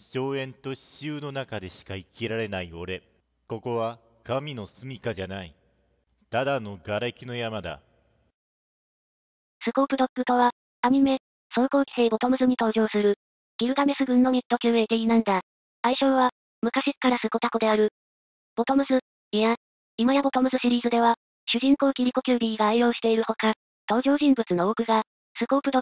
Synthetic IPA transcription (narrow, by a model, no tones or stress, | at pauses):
ɕo̞ːẽ̞nt̪o̞ɕi̥ɕɨːno̞nakad̪e̞ɕi̥kaikʲiɾaɾe̞naio̞ɾe̞ | ko̞ko̞βa | kamʲino̞sɨmʲikad͡ʑanai | t̪ad̪ano̞ɡaɾakʲino̞jamad̪a̰ | sɨko̞ːkɯ̟d̪o̞kːɯ̟t̪oβa | amʲime̞ | soko̞ːkʲi̥seːbo̞t̪o̞mɯ̟sɨɲ̟it̪o̞ːʑo̞ːsɨɾɯ̟ | ɡ̥ʲiɾɯ̟d̪ame̞sɨɡɯ̟̃nːo̞ɲ̟ʲit̪ːo̞kʲɨːet̪einãnd̪a | aiɕõ̞ːβa | mɯ̟kaɕikːaɾasɨko̞t̪ako̞d̪e̞aɾɯ̟ | b̥o̞t̪o̞mɯ̟zɨ | ija | imajabot̪o̞mɯ̟zɨɕiɾʲiːzɨd̪e̞βa | ɕɨʑĩŋko̞ːkʲiɾʲiko̞kʲɨːɾʲiiɡaːijo̞ːɕi̥t̪e̞iɾɯ̟ho̞ka | t̪o̞ːʑo̞ːʑĩmbɯ̟t͡sɨno̞okɯ̟ɡa | sɨko̞ːpɯ̟d̪o